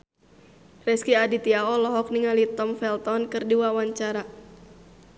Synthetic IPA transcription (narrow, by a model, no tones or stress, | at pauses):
rɛskiadit̪iaɔlɔɦɔk̚niŋalit̪ɔmfɛlt̪ɔnkɨrdiwawaɲt͡ʃaɾa